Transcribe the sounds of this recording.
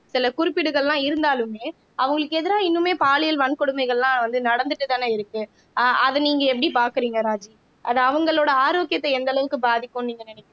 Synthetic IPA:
sɪlɐkʊɾɪpːɪɽɯɣɐɭlãːɪɾɯnd̪aːlɯmeː | ɐʋɐŋɡɐɭɯkːɯɛðɯɾaːɪnːɯmeːpaːlɪjɐlʋɐɳkɔɽɯmɐɪɣɐɭlãːʋɐnd̪ɯnɐɽɐnd̪ɯʈːɯt̪aːnɐɪɾɯkːɯ | ʔɐðɯniːŋɡɐɛp̬ːɐɽipaːɾkɯɾiːŋɡɐɾaːd͡ʒi | ʔɐðɐɐʋɐŋɡɐɭoːɽɐaːɾoːkːɪjɐt̪ːɐɛnd̪ɐɭɐʋɯkːɯbaːðɪkːõːniːŋɡɐnɪnɛkː

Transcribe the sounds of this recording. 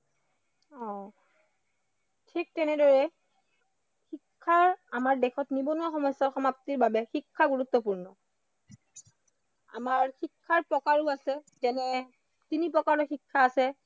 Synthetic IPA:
ɔ̃ | tʰik̚tɛnɛdɔɹɛ | xikʰːaamaɹdɛxʰɔtnibɔnuaxɔmɔsːɔxɔmaptiɹbabɛxikʰːaɡuɹut̪ːɔpuɹnɔ | a̰maɹxikʰːaɹpɹɔkaɹuasɛ | zɛnɛ | tinipɹɔkaɹɔxikʰːaːsɛ

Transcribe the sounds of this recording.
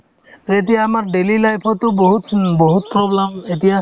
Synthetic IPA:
et̬ijaːmaɹdelilajpʰɔtːʊbɔɦutbɔɦut̚pɹɔblemetija

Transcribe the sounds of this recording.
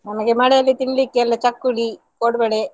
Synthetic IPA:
nɐmɐɡemaːɽɐlːit̪iɳlikːeɐlːɐt͡ʃɐkːuɽi | koːɽbeɽe

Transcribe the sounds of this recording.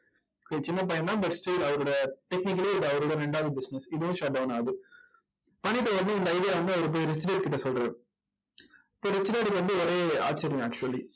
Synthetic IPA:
ket͡ʃɪnːɐp̬ɐjɐ̃nd̪ãːbɐʈsʈiːlɐʋɐɾɔɽɐʈ̪ɛknɪk̬ːɐliɪðɐʋɐɾɯɽɐɾɛɳɖaːʋðɯbɪsnɛsɪðɯʋʊ̃ʃaːʈ̚ɖɐʊnaːðɯ | pɐɳiʈːɐʋɐɾɐnd̪ɯɪnd̪ɐːɪðijaːʋɐnd̪ɯɐʋɐɾɯp̬oːjiɾɛsɪɖeɳʈ̚kɪʈːɐsɔlʈɾɐːɾ̃ | ɪpːoːɾɛt͡ʃːɪɖaːʈikʋɐnd̪ɯoɾeːa̰ːsɐɾɪj̃aːk̚t͡ʃuɐli

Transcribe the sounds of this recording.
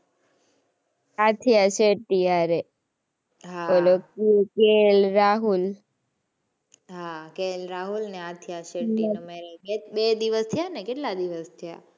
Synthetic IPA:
at̪ʰjaʃeʈiaɾe | ɦaolokikelɾaɦul | ɦakelɾaɦulneat̪ʰijaʃemimeɾeebed̪iʋəst̪ʰijanekeʈlad̪iʋəst̪ʰja

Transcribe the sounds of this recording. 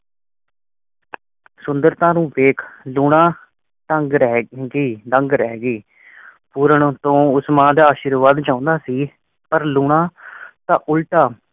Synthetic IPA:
sʊnd̪əɾt̪ãːnũːʋeːkʰluːɽãː | ʈəŋɡɾɛɡiːd̪əŋɡɾɛːɡiː | puːɾəɳt̪õːʊsmãːd̪aːaːʃiːɾʋaːd̪d͡ʒãːnd̪aːsiː | pəɾluːɳãːt̪ãːʔʊlʈaː

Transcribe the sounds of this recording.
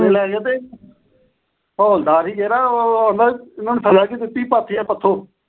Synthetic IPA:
eːlɛːɡeːt̪eː | oːld̪aːɾɦiːkɛːɾaːãːnd̪aːɪnãːnːsəd͡ʒaːk̬id̪ɪt̪ːiːpaːt̪ʰːiːɛːpət̪ʰːoː

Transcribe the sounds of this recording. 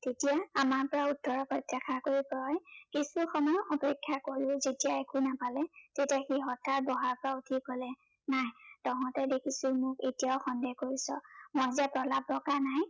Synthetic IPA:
tetijaːmaɹpɔɹautːɔɹɔpɔtːɛkʰakoɹiplɔjkisuxɔmɔjɔpekʰːjakoɹʊ̃zetijaekunapalɛtetiaxiɦɔtʰaɹbɔɦaɹpɔɹautʰikɔlɛ | najtɔɦɔ̃tɛdekʰisʊmʊketijaʊxɔndɛkoɹisɔmɔzapɹɔlabɹɔkanaj

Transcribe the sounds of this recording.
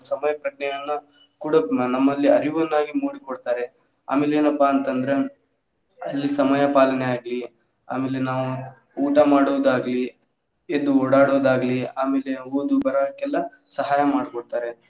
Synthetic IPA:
sɐmɐjɐkɐʈ̚nɛjɐnːɐ | kuːɽɐnɐmːɐlːiɐɾiʋɐnːaːɡimuːɽikɔɽt̪aːɾe̞ | a̰ːme̞ːleːnɐpːaɐnt̪ɐnd̪ɐɾe̞ | ɐlːisɐmɐjɐpaːlɐneaːɡli | a̰ːmeːlenaːʋu | uːʈɐmaːɽuʋd̪aːɡli | ed̪uoːɽaːɽoːd̪aːɡliaːmeːleoːd̪ubɐɾad̪ɐkːɛlːɐ | sɐɦaːjɐmaːɽkɔɽt̪aːɾe̞

